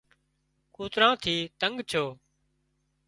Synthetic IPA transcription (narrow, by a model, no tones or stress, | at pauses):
kuːt̪ɾãːt̪ʰiːt̪əŋɡt͡ʃʰoː